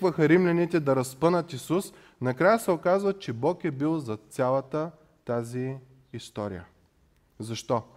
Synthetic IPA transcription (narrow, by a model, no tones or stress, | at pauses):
vəxɐɾimlʲɐnit̪ɛd̪ɐɾɐspɤnət̪isus | nɐkɾajəsɛokazvɐt͡ʃɛbɔkɛbilˠzɐt̪sʲalˠɐt̪ə | t̪aziː | st̪ɔɾḭjə̰ | zɐʃt̪ɔ